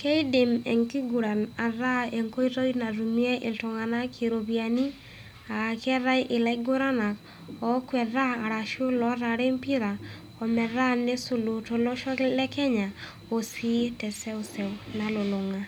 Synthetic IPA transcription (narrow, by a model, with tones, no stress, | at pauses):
ke˦i˦de˨mɛ˨ŋki˦ɡu˨ɾa˨na˨ɾa˦e˨ŋko˦i˦ɾo˦jna˨ɾu˨mi˦ɛ˦ʔɪ˨lto˨ŋa˨na˦kʰi˨ɾo˨bja˨ni˦ | a˨kɛ˦ɾa˦jʔɪ˨lɛ˦ɡʊ˦ɾa˦na˨k | ɔ˨˦kwɛ˨ɾaː˦˨ɾa˨ʃo˦lɔ˨˦ɾa˨ɾe˦mpi˦ɾa˨ | ɔ˨mɛ˨ɾa˦ne˦so˨lo˨to˨lɔ˦ʃɔ˦lɛ˦kɛ˦ɲa˨ | o˨si˦tɛ˨sɛ˦o˦sɛ˨wna˨lo˨lo˨ŋa˨